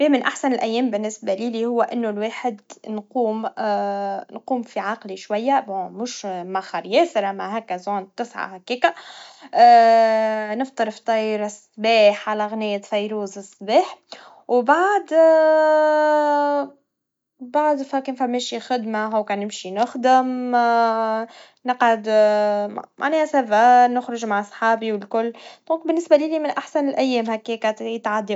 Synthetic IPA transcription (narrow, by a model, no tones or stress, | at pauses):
wiːmɪnʔaħsanɪlʔæjːeːmbɪnːɪsbaliːlihʊwːæʔɪnːolweːħɪd̪nquːm | nquːmfiʕɑqliʃwajːabomʊʃmaxɑɾˤjɛːsɪɾamaɦækːæzuːnt̪ɪsʕa̰hækiːka | nɪft̪ˤɨɾft̪ˤːɑːjɾɪsˤːbiːħʕalæɣnɪjːæt̪fɑjɾuːzɪsˤːbeːħ | wbaʕd̪ | baʕd̪fækenfæmːeːʃixɪd̪maɦuwkænɪmʃinʊxd̪ɪm | nəqʕad̪ | mʔa̰ʕnɛːhæsæbanʊxɾʊʒmaʕɑsˤħɑːbiwɪlkʊlːd̪̥ˤɔ̃ːk̚bɪnːɪsbalilimɪnʔaħsænɪlʔæjːɛːmhækːiːkæjɪt̪ʕad̪ːi